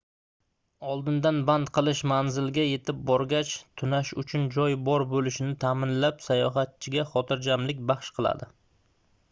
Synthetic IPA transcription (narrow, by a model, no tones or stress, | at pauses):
ɒlˠd̪ɪnd̪anband̪qʰɨlˠɪʃmanzɪlɡʲaje̞t̪ʰɪp̚bɒɾɡʲat͡ʃt̪ʰʊnaʃʊt͡ʃʰʊnd͡ʒɒjbɒɾbolɪʃɪnɪt̪ʰamɪnlapsajɒɦat̪̚t͡ʃʰɪɡʲaχɒt̪ʰɪɾd͡ʒamlɪk̚ʲbɑχʃqʰɨlˠa̰d̪ɪ